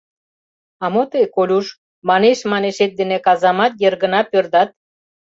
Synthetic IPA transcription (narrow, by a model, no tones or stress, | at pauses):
ɑmot̪ekolʲuʃ | mɑneʃmɑneʃet̪̚d̪enekɑzɑmɑt̪jerɣə̆nɑpørd̪ɑt̪̚